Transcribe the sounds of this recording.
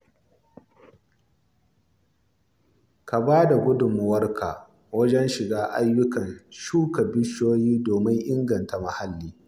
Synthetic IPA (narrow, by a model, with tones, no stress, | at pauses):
ka˨baː˦da˨ɡʊ˦dʊ˨mː˦wɐ˦rkʰa̰˨ | wɐ˦d͡ʒɛ˦nʃɪ˨ɡaː˦ʔa˦jːʊ˦kɐ˨nʃuː˦ka˨bɪ˦ʃoː˦jiː˦doː˨mɪ˦ŋʔɪ˦ŋɡɐ˨nta˨ma˨ha˦lːiː˦